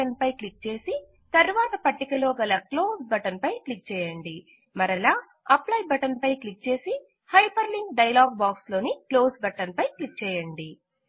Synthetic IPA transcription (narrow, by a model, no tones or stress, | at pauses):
ɐnpɐjklik̚t͡ʃe̞ːsi | t̪ɐɾʋaːt̪ɐpɐʈːikɐloːɡɐlɐkloːsbɐʈɐnpɐjklik̚t͡ʃɛːjɐɳɖi | mɐɾɐlaː | ɐplɐjbɐʈɐnpɐjklik̚t͡ʃe̞ːsi | hɐjpɐɾliŋɡɖɐjɐlaːɡ̚baːkslo̞ːniklo̞ːsbɐʈɐnpɐjklik̚t͡ʃɛːjɐɳɖi